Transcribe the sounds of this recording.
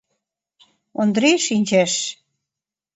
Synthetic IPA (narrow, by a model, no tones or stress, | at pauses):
ond̪ɾeʃinʲt͡ɕæʃ